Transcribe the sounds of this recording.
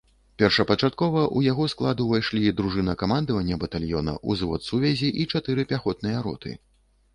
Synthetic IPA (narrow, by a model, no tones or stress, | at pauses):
pʲɛrʂɐpɐt͡ʂat̪̚kɔvɐʔujaɣɔsklˠad̪uvajʂlʲid̪ɾuʐɨnɐkamand̪ɐvɐnʲːɐbɐt̪alʲjɔnɐ̰ʔuzvɔ̰t̪suvʲɛzʲiʔit͡ʂat̪ɨɾɨpʲaxɔt̪̚nɨjɐɾɔ̰t̪ʰɨ̰